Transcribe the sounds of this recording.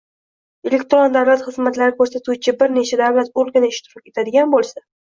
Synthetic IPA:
e̞lekʲt̪ɾo̞nd̪avlat̪χɨzmat̪laɾɪkʰɵɾsat̪ʰut͡ʃʰɪbɪɾne̞t͡ʃʰad̪avlat̪oɾˠɡʲanaɪʃt̪ʰɪɾɒkʲe̞t̪ʰad̪ɪɡʲanbolˠsa

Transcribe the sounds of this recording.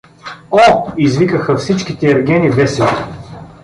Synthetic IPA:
ɔizvikəxɐfsit͡ʃkit̪ɛɛɾɡʲɛnivɛsɛlˠ

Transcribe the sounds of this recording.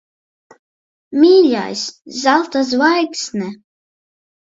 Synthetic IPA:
miːlʲa̰jszalˠt̪azvajksnɛ

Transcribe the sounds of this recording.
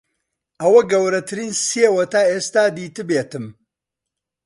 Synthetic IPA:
ʔɐwɐɡɐwɾɐt̪ʰɨɾiːnsiewɐt̪aːʔeːst̪aːd̪iːt̪ɨbeːt̪ɨm

